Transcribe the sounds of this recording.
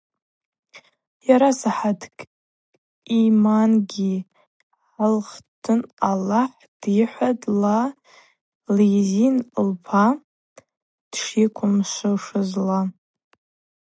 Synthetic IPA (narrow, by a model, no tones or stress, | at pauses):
jaɾasaħadʰkʼ | imanɡʲi | ʕalχtʰɨnalaħ | d̥iħʷadla | lejzinlpʰa | d̥ʂikʷʰʊmʃʷɨʂɨzla